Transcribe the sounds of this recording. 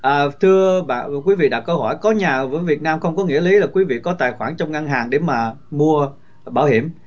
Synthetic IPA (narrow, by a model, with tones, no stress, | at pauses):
ʔəː˨˩t̪ʰɨ˧əɓa̰ː˧˨kwi˨˦vḭ˧˨ɗa̰˧˩k̚kə˧whɔ˧˩jkɔ˨˦ɲaː˨˩vəː˨˦jvi˨˩ət̚naː˧mxə˧wŋ͡mkɔ˨˦ŋḭ˧˥əli˨˦laː˨˩kwi˨˦vḭ˧˨kɔ˨˦t̪a̰ː˧˨jxwaː˧˩nt͡ɕɔ˧wŋ͡mʔa˧ŋɦaː˨˩ŋɗe˧˩maː˨˩ | mu˧ə | ɓaː˧˩whi˧˩əm